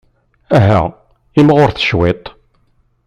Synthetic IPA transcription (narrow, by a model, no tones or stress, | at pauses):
æɦæ̰ | imʁoɾθə̥ʃwet̪ˤ